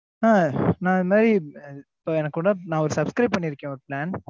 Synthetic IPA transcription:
nãːnãːðɯmaːd̪ɾipːoɛnɐkːkuːɽɐnãːɔɾɯsɐbskɾɐɪb̚pɐɳːɪɾɯkːẽːɔɾɯplaːn

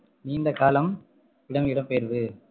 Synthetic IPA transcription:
niːnd̪ɐkaːlɐm | ɪɽɐmɪɽɐmpeːɾðɯ

